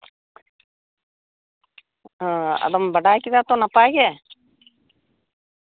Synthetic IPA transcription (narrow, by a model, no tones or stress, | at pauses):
ɐ̰d̪ɐmbɐɖaːkid̪aːt̪onɐpaːɡe